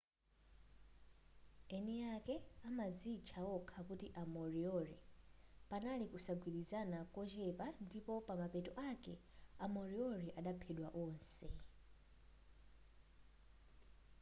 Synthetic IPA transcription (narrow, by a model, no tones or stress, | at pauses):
ɛniakɛamad͡zit͡ʃʰawɔkʰakutiʔamɔɾiɔɾɛpanalikusaɡwiɗizanakɔt͡ʃɛpandipɔpamapɛtɔʔakɛamɔɾiɔɾɛʔaɗapʰɛɗwaʔɔːnsɛ